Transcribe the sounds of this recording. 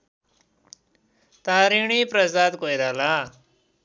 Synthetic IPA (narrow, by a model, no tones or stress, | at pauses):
t̪ãɾiɳ̃ipɾəsat̪kojɾala